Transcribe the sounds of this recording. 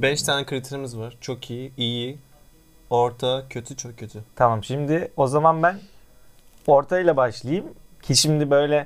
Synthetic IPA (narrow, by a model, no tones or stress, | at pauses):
bɛʃt̪ʰaːnɛkʰɯɾit̪ʰiɾimizvaɾ̥t͡ʃʰo̞kʰijiiji | oɾt̪ʰacʰø̞t̪ʰyt͡ʃʰokcʰːøt̪ʰyt̪ʰamamʃimd̪ɪo̞zamanbæn | o̞ɾt̪ʰajlˠabaʃlˠajɯmcʰiʃimd̪ibø̞jlʲɛ